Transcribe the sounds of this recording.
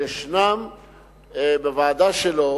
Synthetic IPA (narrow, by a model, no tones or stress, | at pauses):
eʃnam | bevaːd̪aʃelo